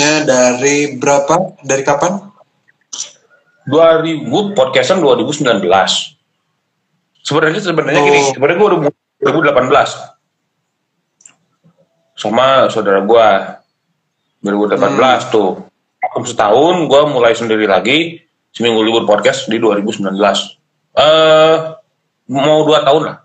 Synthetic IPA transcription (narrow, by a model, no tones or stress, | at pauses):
adaɾibəɾapadaɾikapan | duaɾibupɔd̚kɛsanduaɾibusəmbilanbəlas | səbənarɲasəbənarɲakiɪsəbəɾaɡuaudamu | uaɾibudəlapanbəlas | samasaudaɾaɡua | duaɾibudəlapanbəlast̪ʊ | akʊmsət̪aʊnɡuamulajsəndiɾilaɡi | səmiŋulibʊt̚pɔd̚kɛstdiduaɾibusəmbilanbəlas | ʔə | mauduat̪aʊnlah